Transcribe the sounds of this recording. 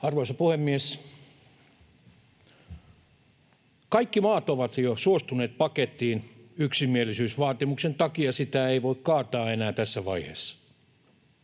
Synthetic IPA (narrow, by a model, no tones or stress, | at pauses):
ɑrʋoisɑpuhemːies | kɑikːimɑːt̪oʋɑt̪josuost̪uneːt̪̚pɑket̪ːˑiːnyksimːielisyːsʋɑːt̪imuksent̪ɑkiɑsit̪æeiʋoikkɑːt̪ɑːenæːt̪æsːæʋɑihḛːsːɑ̥